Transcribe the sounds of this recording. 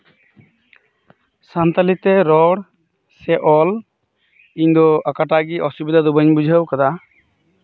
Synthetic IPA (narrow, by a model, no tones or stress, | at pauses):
sant̪alit̪ɛɾɔɽ | sɛʔɔl | iɲd̪ɔakaʈaɡiʔɔsubid̪ʱad̪ubəɲbud͡ʒʱəwkad̪a